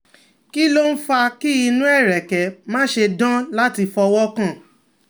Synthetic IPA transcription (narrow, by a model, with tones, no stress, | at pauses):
ki˦lo˦n̩˦fa˧ki˦i˧nũ˦ɛ˦˨ɾɛ˨kɛ˨mãː˦ʃe˧dã˦la˦ti˧fɔ˧wɔ˦kã˦˨